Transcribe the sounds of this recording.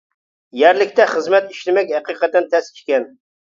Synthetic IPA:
jæɾlɪkʲt̪ɛχəzmɛt̪iʃlɪmɛkʲhæqiqət̪̚d̪ɨnt̪ʰɛskʰʲi̥ʃkʲɛn

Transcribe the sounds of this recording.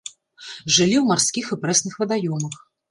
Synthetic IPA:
ʐɨlʲiwmarsʲkʲixɛpɾɛsnɨxvɐd̪ajɔmɐx

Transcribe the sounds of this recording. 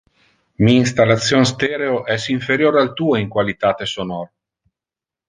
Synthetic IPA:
miinst̪alːat̪sːjonst̪ɛːɾeoʔɛsiɱfeɾjoːɾealt̪uːoiŋkwalit̪aːt̪esonɔɾ

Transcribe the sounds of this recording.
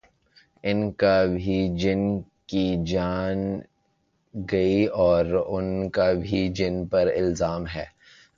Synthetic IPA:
ɪnkabʱid͡ʒɪn | kid͡ʒaːn | ɡɐiɔːɾʊnkabʱid͡ʒɪnpɐɾɪlzaːmɦɛː

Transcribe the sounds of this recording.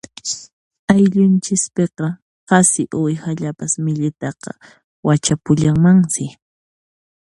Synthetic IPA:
ajʎʊnt͡ʃɪspeqɑ | ɢɑsɪʔʊjhaʎapasmɪʎɪt̪ɑqɑ̰ | wat͡ʃapʊʎaŋmaŋsɪ

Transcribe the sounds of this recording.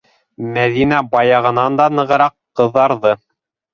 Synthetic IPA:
mæðinæbɑjɑʁɤ̆nɑnd̪ɑnɤ̆ʁɤ̆ɾɑqːɤ̆ðːɑɾðɤ

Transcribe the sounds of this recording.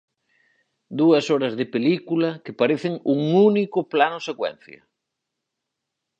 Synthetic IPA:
d̪uɐsɔɾɐzðɪpelikulɐkepaɾeθɪŋuŋunikʊplanʊsekwɛ̰n̟θjɐ̰

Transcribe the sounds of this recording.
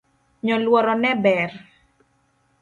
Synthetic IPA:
ɲɔlwɔɾɔnɛbɛr

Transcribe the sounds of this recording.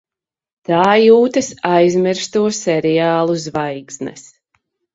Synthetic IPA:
t̪aːjuːt̪ɨsajzmiɾst̪uɔsɛɾɛjaːlˠuzvajɡznɛ̰s

